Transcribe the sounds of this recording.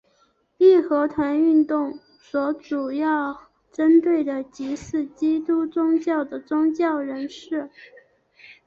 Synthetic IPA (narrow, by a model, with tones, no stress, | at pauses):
li˥˩xɤ˧˥t̪ʰwa˧˥ny˥˧nt̪ʊ˥˩ŋ | swɔ˧˥ʈ͡ʂu˨˩jɑ˥˩ʊ | ʈ͡ʂə˥nt̪we˥˩ɪd̪ə˩t͡ɕi˧˥ʂɹ̩˥˩t͡ɕi˥t̪u˥t͡sʊ˥ŋt͡ɕjɑ˥˩ʊd̪ə˩t͡sʊ˥ŋt͡ɕjɑ˥˩ʊɻə˧˥nʂɻ̩˥˩